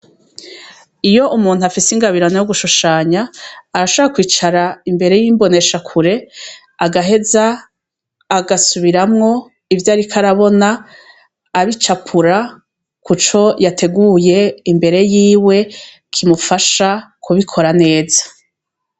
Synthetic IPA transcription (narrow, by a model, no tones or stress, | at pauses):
ijo̞ʔumuːn̥huafisiŋɡaβiɾanojoɡuʃuʃaːɲaːɾaʃoβɾakwiːt͡ʃaɾaimbe̞ɾe̞jiːmbo̞ne̞ʃakʰuɾe̞ | aɡaɦe̞zaː | ɡasuβiɾamŋo̞ | ivjaːɾikʰaɾaβo̞naː | βit͡ʃapʰuɾa | kut͡ʃo̞jatʰe̞ɡuje̞imbe̞ɾe̞jiːwe̞ | kʰimufaʃakʰuβikʰo̞ɾane̞ːzḁ